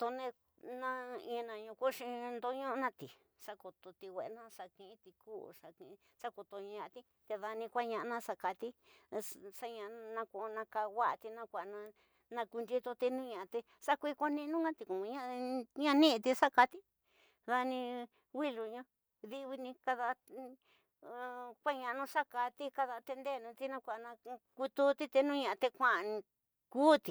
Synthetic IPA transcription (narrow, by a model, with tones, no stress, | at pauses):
t̪o˧nẽ˧ | nã˦ĩ˧nã˧ɲũ˧kʷu˦ʂĩ˧nd̪o˧˦ɲõ˦˧nã˧t̪i˨ | ʂa˦ko˧t̪o˧t̪i˧wʷe˨ʔnã˦ʂa˧kĩ˧ĩ˦t̪i˧kṵː˦sa˧kĩ˧ | sa˦ko˧t̪o˧ɲ̃˧ã˧ʔt̪i˦ | t̪e˧ða˧nĩ˧kʷa˦ɲã˧ʔnã˦sa˧ka˧t̪i˦˧ | sa˦ɲã˧nã˧kʷo˧nã˧ka˧wa˦ʔt̪i˧nã˧kʷa˧˨˧nã˧ | nã˧ku˧nd͡ʒi˦˧t̪o˧t̪i˧nũ˦ɲã˧t̪e˧ | sa˦kʷi˦ko˧˦nĩ˦˧nũ˦ɡã˦t̪i˧kũ˨˧ɲã˦ɲã˦˧nĩ˦ʔt̪i˧ʂa˦ka˧t̪i˦ | ða˧nĩ˧ | wi˦lu˨ɲũ˧˦ | ði˧βi˧nĩ˧ka˧ða˧ | kʷa˦ɲã˧nũ˦˧sa˦ka˧t̪i˦ka˧ða˧t̪e˧nd̪e˦˨nũ˧t̪i˦nã˧kʷa˨˧nã˧ku˧t̪u˦t̪i˦t̪e˧nũ˦ɲã˧˨˧t̪e˧kʷã˦˧nĩ˧ | kuː˦t̪i˨